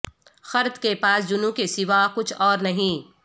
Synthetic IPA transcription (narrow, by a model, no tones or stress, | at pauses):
xɐɾt̪kepaːsd͡ʒʊnũkesɪʋakʊt͡ʃʰɔːɾnɐɦĩː